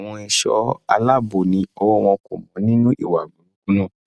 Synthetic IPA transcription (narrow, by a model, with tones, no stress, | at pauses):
w̃ɔ̃˧ɛ˧ʃɔ̰˦a̰˧la˦bo˨nĩ˨˦ɔ˧wɔ˦˧w̃ɔ̃˧ko˨mɔ̃˨˦nĩ˦nũ˦ʔi˦˨wa˨ɡũ˨˦u˦ɡu˦nũ˦˨